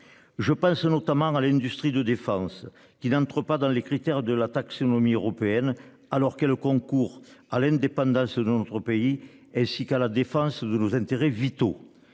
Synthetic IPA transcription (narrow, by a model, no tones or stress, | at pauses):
ʒəpɑ̃snɔt̪amɑ̃alɛ̃nd̪yst̪χid̪əd̪efɑ̃s | kʲinɑ̃t̪χəpad̪ɑ̃lekχit̪ɛʁd̪əlat̪aksonɔmiøʁɔpeɛn | alɔʁkɛləkɔ̃ŋkuʁalɛ̃nd̪epɑ̃d̪ɑ̃sd̪ənɔt̪χəpei | ɛ̃sikalad̪efɑ̃səd̪ənozɛ̃nt̪eʁevit̪o